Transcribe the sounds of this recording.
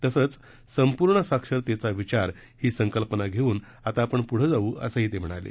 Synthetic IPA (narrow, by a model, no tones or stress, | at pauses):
t̪əsət͡s | səmpuɾɳəsakʂəɾt̪et͡saʋit͡ɕaɾ | hiːsəŋkəlpənaɡʱeuːn | at̪aːpəɳpuɽ̤əd͡zauːə̰səɦiːt̪em̤əɽ̃a̰lḛ